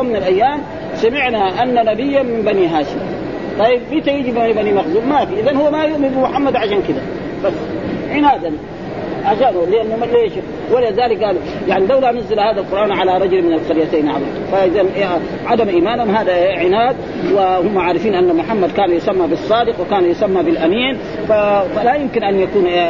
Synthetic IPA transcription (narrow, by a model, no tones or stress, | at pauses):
umːɪnalʔajːaːm | samɪʕnaʔanːanabijːamimbaniɦaːʃim | t̪ˤɑjːibmiːt̪ajid͡ʒibanibanimaxd̪uːmafiʔizanhuwːamajʊʔmɪnbimʊħamːad̪ʕaʃaːnkid̪a | basːʕɪnaːd̪an | ʕaʃaːnuliʔanːuleːʃ | walazaːlik̚ɡaːlu | jaʕnilawlanʊzˤːɪlhaːd̪alqʊɾˤʔaːnʕalaɾˤɑɟulmɪnalqɑɾjat̪aːnʕalɑt̪faʔɪzan | ʕad̪amʔiːmaːnhumɦaːd̪aʕɪnaːd̪̚ | wahʊmːaʕaːɾˤɪfiːnʔanːamʊħamːad̪̚kaːnajʊsamːabisˤːɑːd̪ɪqwɪkaːnjʊsamːabilʔamiːn | fafalajʊmkinʔanjakuːn